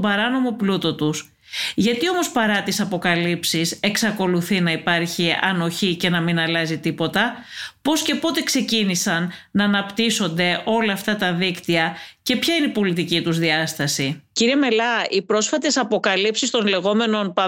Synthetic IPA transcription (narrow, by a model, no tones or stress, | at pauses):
bɐɾɐno̞mo̞plut̪o̞t̪us | ʝɐt̪io̞mo̞spɐɾɐt̪isɐpo̞kɐlipsise̞ksɐko̞luθinɐipɐɾçiɐno̞çice̞nɐminɐlɐzit̪ipo̞t̪ɐpo̞sce̞po̞t̪e̞kse̞cinisɐnːɐːnɐpt̪iso̞nd̪e̞ʔo̞lɐːft̪ɐt̪ɐðikt̪iɐce̞pçɐineipo̞lit̪icit̪uzðiɐst̪ɐsiciɾieme̞lɐipɾo̞sfɐt̪e̞sɐpo̞kɐlipsist̪o̞nle̞ɣo̞me̞no̞npɐ